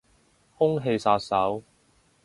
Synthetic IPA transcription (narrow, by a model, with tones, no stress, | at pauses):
hʊ˥ŋɦe˧jsaː˧t̚sɐ˨˥w